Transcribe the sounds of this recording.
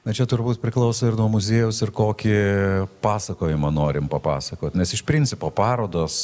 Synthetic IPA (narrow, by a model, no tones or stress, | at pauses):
nɐt͡ʃʲɛt̪ʊɾbuːt̪pʲɾʲɪklˠɐʊsoːɪɾnuɔmʊzʲeːjʊsɪrkoːkʲɪpɑːsɐkoːjɪmɐnoːɾʲɪmpɐpɑːsɐkoːt̪ʲnʲɛsɪʃpʲɾʲɪnʲt͡ssʲɪpoːpɑːɾoːd̪oːs